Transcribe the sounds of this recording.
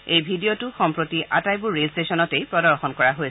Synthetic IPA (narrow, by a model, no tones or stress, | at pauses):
ejbʱidijotuxɔmpɹotiʔa̰tajbʊɹːelstesɔnɔtejpɹɔdɔɹxɔnkɔɹaɦoj